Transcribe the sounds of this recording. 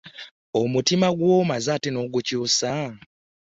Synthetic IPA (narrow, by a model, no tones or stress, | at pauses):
omutimaɡwomazatino̞ːɡucuːsa